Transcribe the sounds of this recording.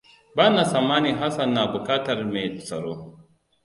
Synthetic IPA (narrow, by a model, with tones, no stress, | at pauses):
baː˦na˨sa˨mːaː˦ni˨ɦa˦sɐ˨nːa˨bʊ˨kaː˦tɐ˨rme˨t͡sɐ˨ɾo˦